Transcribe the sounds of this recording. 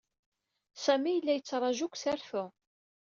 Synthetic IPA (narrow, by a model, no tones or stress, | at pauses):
sæmijəlːæjət͡sːɾˤɑʒʊkʷsæɾθu